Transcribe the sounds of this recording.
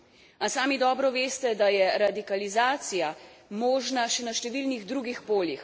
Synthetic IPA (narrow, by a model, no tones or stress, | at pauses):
asaːmid̪ɔːbɾɔʋeːst̪ɛd̪ajɛɾad̪ikalizaːt̪sijamɔːʒnaʃɛnaʃt̪ɛʋiːlniɣd̪ɾuːɡixpoːljix